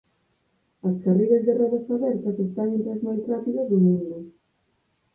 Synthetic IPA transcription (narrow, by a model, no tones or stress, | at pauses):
ɐskariɣɐzðerɔðɐsaβɛɾt̪ɐsest̪aŋent̪ɾazmajsrapiðɐzðʊmũnd̪ʊ